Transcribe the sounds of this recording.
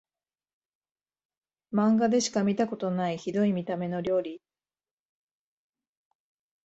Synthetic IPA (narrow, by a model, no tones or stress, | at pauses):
mãŋɡad̪e̞ɕi̥kamʲit̪ako̞t̪o̞naiçid̪o̞imʲit̪ame̞no̞ɾʲo̞ːɾʲi